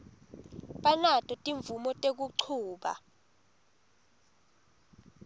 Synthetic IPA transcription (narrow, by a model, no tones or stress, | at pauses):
ɓanatʼɔtʼiɱvumɔtʼek̬uǃʰuːɓa̰